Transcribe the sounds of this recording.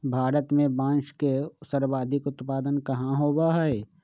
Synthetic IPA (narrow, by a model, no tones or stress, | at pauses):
bʱaːɾət̪mẽbãːnʃkesəɾʋaːd̪ʱikʊt̪paːd̪ənkɐɦãɦoːbaɦɛe